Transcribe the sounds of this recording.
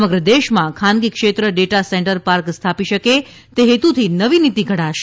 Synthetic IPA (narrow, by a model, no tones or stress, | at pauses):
məɡɾəd̪eʃmãkʰanɡikʃet̪ɾəɖeʈasɛɳʈəɾpaɾkst̪ʰapiʃəke | t̪eɦet̪ut̪ʰinəʋinit̪iɡʱəɽaʃ